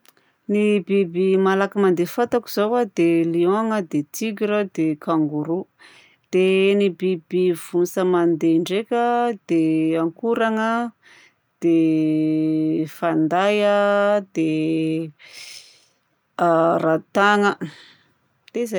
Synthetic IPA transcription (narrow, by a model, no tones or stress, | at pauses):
nibibimalakəmand̪efat̪aku̥zawad̪eliõŋəd̪et̪iɡiɾəd̪ekʰaŋɡuɾu | d̪̥enibibiv̥unsəmand̪eɳɖ͡ʐekʲəd̪̥eaŋkuɾaŋə | d̪̥e | fand̪ajəd̪e | rat̪aŋə | t̪eza